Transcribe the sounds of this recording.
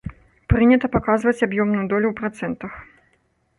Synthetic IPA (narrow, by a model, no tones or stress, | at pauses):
pɾɨnʲɐt̪ɐpakazvɐt͡sʲabjɔmnujud̪ɔlʲuwpɾat̪sɛnt̪ɐx